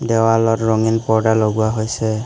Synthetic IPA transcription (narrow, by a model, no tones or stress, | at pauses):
dɛwalɔtɹɔŋinpɔɹdaloɡuwaɦojsɛ